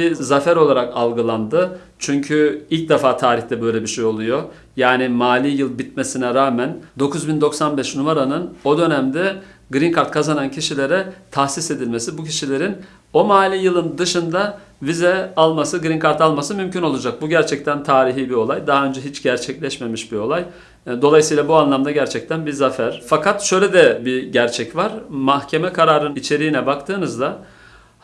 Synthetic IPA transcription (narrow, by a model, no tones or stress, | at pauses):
izafæɾo̞lˠaɾakalˠɡɯlˠand̪ɯ | t͡ʃʰyɲcʰyilʲc̚d̪ɛfaːt̪ʰaːɾiçt̪ɛbø̞jlʲebiʃejo̞lˠujo̞ | jaːnimaːlʲijɯlˠbit̪̚me̞sinɛɾaːmænd̪o̞kuzbind̪o̞ksanbɛʃnumaɾanɯno̞d̪ø̞næmd̪ɛ | ɡɾinkʰaɾt̪̚kʰazanancʰiʃilʲe̞ɾɛt̪ʰahsise̞d̪ilʲme̞sibucʰiʃilʲe̞ɾin | o̞maːlʲijɯlˠɯnd̪ɯʃɯnd̪a | vizɛalˠmasɯɡɾiŋkʰaɾt̪alˠmasɯmymcʰyno̞lˠuad͡ʒak̚buɟæɾt͡ʃʰɛc̚t̪ʰænt̪ʰaːɾiɦiːbio̞lˠajd̪aɦaø̞nd͡ʒɛɦit͡ʃɟæɾt͡ʃʰɛclʲɛʃme̞miʃbio̞lˠaj | d̪o̞lˠajɯsɯjlˠabuanlˠamd̪aɟæɾt͡ʃʰɛc̚t̪ʰænbizafæɾ̥fakʰat̪ʃø̞jlʲed̪ɛbiɟæɾt͡ʃʰɛcvaɾ̥mahcʰe̞mɛkʰaɾaːɾɯnit͡ʃʰe̞ɾiːnɛbakt̪ʰɯːnɯzd̪a